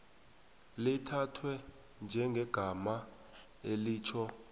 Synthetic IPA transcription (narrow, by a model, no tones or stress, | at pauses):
litʰatʰwɛ | nd͡ʒʱɛŋɡʱɛɡ̥ʱama | eliːt͡ʃʰɔ